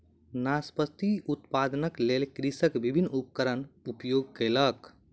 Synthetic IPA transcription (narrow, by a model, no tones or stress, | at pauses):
naspəst̪iut̪pad̪nəklelkɾisəkbibʱinːupkəɾənupjoɡ̚kelək